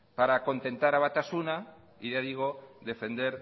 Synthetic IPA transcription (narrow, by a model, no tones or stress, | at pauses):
paɾako̞nt̪ẽ̞nt̪aɾaβat̪asuna | iʝaðiɣ̞od̪e̞fe̞nd̪eɾ